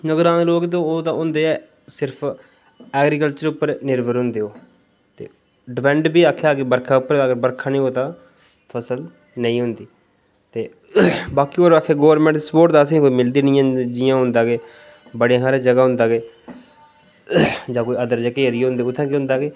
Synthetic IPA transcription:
nəɡəɾãːeloːɡt̪õoːt̪ãːʊnd̪eːɛː | sɪɾpʰ | ɛːɡɾiːkəlt͡ʃəɾʊpːəɾnɪɾbəɾɦʊ̃nd̪eːoː | t̪ḛː | ɖɪpʰɛ̃ːɳʈbiːaːkʰeaːɡeːbəɾkʰaːʊpːəɾəːɡəɾbəɾkʰãːnĩːoːt̪ãː | pʰəsəl | nəĩːɦʊ̃nd̪iː | t̪eː | baːkiːoːɾaːkʰːeːɡoːəɾmɛ̃ɳʈ̪ispoːʈd̪aːsĩːkoːiːmɪld̪iːnɪjãːd͡ʒɪjãːɦʊ̃nd̪aːɡeː | bəɽeãːsaːɾeːd͡ʒəɡaːɦʊ̃nd̪aːɡeː | d͡ʒãːkoːiːəd̪əɾd͡ʒəkeəɾiɦʊ̃nd̪eːʊt̪ʰːãːkeʊ̃nd̪aːɡeː

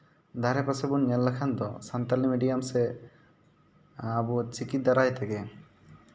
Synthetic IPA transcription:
d̪ʱaɾɛpasɛbunɲɛlːakʰand̪ɔsant̪alimiɖijamsɛ | abut͡ʃikit̪̚d̪aɾajt̪ɛɡɛ

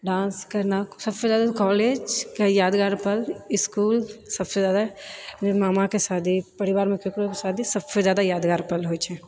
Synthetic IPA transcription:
ɖãːnskɐɾnasɐbsezjaːd̪akɔːleːd͡ʒkajaːd̪ɡaːɾpɐlɪskuːlsɐbsezjaːd̪aemaːmakesaːd̪ʱipɐɾɪʋaːɾmẽkokɾokesaːd̪ʱisɐbsezjaːd̪ajaːd̪ɡaːɾpɐlɦoːt͡ʃʰɛː

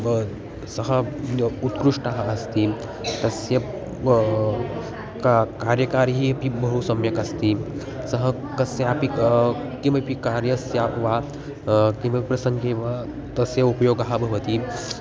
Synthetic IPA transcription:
sɐɦɐut̪kɾuʂʈaɦaːst̪i | t̪ɐsjɐ | kakaɾjɐkaɾɦiɐpibɐɦusɐmjɐkast̪i | sɐɦɐ | kɐsjeapi | kĩʋɐpikaɾjɐsjaʋa | kĩʋɐpipɾɐsɐŋɡeʋa | t̪ɐsjɐupɐjoːɡaɦabʱɐʋɐt̪i

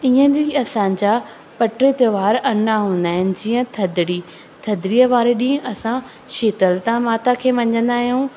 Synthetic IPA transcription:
iːə̃d͡ʑiːɐsãd͡ʑa | pɐʈɾet̪əʋaːɾɐnaɦũːnd̪aːɦɪnɪ̆d͡ʑiːə̃t̪ʰɐd̪ɪɽiː | t̪ʰɐd̪ɽijəʋaːɾeɗĩːɦə̃ɐsã | ʃeːt̪əlt̪ãmaːt̪akʰeːʋɐ̃ɲə̃nd̪aːɦijũː

